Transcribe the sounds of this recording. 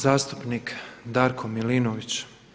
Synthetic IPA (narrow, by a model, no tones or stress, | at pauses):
zaːst̪upnikd̪aːɾkʰomilinoʋit͡ɕ